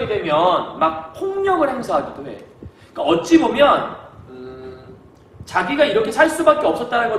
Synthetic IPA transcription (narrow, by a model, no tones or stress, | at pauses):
ɡedwe̞mjʌnmak̚pʰoŋɲʌɡɯɭhemsʰaɦaɡidowe̞̰ | ik͈aʌt̚t͡ɕ͈ibomjʌn | t͡ɕaɡiɡaiɾʌkʰe̞sʰaɭs͈ubak̚k͈e̞ʌps͈ʌt̚t͈aɾanɡʌ